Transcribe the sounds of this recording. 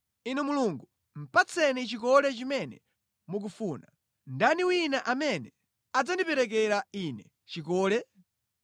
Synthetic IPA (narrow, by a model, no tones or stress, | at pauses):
inɛmuluŋɡu | m̩pat͡sʰɛnit͡ʃik̬ɔlɛt͡ʃimɛnɛ̰ | muk̬ufuːna̰ | ndaniwinaʔamɛnɛ | ad͡zandipɛɾɛk̬ɛɾainɛ | t͡ʃikɔːlɛ